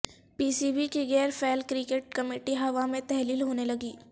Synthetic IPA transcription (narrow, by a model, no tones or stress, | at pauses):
piːsiːbikiɣɛːɾfɛːlkɾɪkeːʈ̚kɐmeːʈiɦɐʋamẽt̪ɛɦliːlɦoːnelɐɡiː